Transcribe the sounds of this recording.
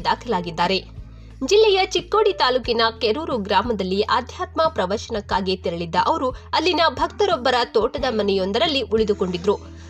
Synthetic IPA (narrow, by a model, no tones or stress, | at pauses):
d̪aːkʰɐlaːɡid̪ːaːɾe̞ | d͡ʒilːɛjɐt͡ʃikːo̞ːɽit̪aːluːkinɐkeɾuːɾuɡɾaːmɐd̪ɐlːiʔaːd̪ʱjaːt̪mɐpɾɐʋɐɾʃɐnɐkːaːɡit̪iɾɐɭid̪ːɐʔɐʋɐɾuɐlːinɐbʱɐkt̪ɐɾɔbːɐɾɐt̪oːʈɐd̪ɐmɐnɛjo̞nd̪ɐɾɐlːiʔuɭid̪uko̞ɳɖid̪ɾu